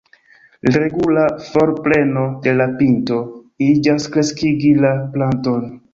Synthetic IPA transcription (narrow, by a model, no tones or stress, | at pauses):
ɾe̞ɡulafo̞ɾple̞no̞de̞lapinto̞ | id͡ʒaskɾe̞skiɡilaplanto̞n